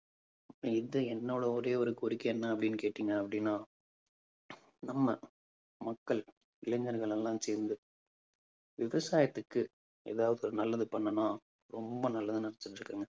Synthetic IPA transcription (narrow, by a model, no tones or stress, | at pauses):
ɪðɐɛnːoːɽɐɔɾeːɔɾɯkːɔɾɪkːɐɛnːɐɐpːɐɽɪnːɯkeːʈːiːŋɡɐːpːɐɽɪnːaː | nɐmːɐ | mɐkːɐɭ | ɪlɐŋɡɐɾɣɐɭɛlːãːseːɾnd̪ɯ | ʋɪʋɐsaːjɐt̪ːɯkːɯ | ḛːðaːʋɐðɯɾɯnɐlːɐðɯpɐɳːɐnːaː | ɾɔmbɐnɐlːɐðɯnɐɽɐt͡ʃːɯʈːɾɯkːaːŋɡɐ